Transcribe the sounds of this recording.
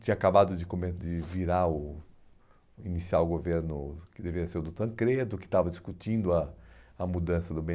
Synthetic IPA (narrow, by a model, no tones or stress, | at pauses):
t͡ʃĩɲɐakabad̪ʊd͡ʒɪkomed͡ʒɪviɾaʊ | inisiawɡoveɾnʊkɪd̪eveiɐseɾʊd̪ʊt̪ɐ̃kɾed̪ʊkɪ̥t̪avɐd͡ʒiskut͡ʃĩnd̪ʊɐɐmud̪ɐ̃sɐd̪ʊbẽ